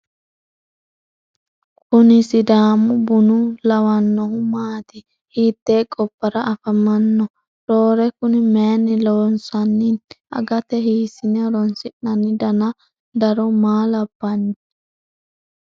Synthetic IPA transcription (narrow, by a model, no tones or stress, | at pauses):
kʊnɪsɪd̪aːmʊbʊnʊlɐwɐnːɔhʊmaːt̪ɪ | hiːt̪ːeːkʼɔpːɐɾɐʔɐfɐmɐnːɔ | ɾoːɾɛkʊnɪmeːnːɪlonsɐnːɪɐ̰ɡɐt̪ɛɦiːsɪnɛɾɔnsɪʔɐnɪd̪ɐnɐ | d̪ɐɾɔmaːlɐbːɐnːɪ